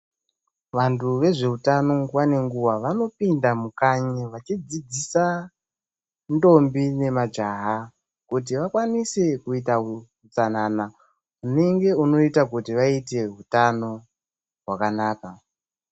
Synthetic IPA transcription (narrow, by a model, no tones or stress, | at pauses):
ʋantʰuʋe̞ʐe̞utano̞ŋɡwane̞ŋɡuwaʋano̞pindamukaɲeʋat͡ʃid͡zid͡zisa | ndo̞mbine̞mad͡ʒaɦa | kut̬iʋakwanise̞kuita | ut͡sanana | une̞ŋɡe̞uno̞itak̬utiʋaite̞ɦutano̞ | ɦwakanaːka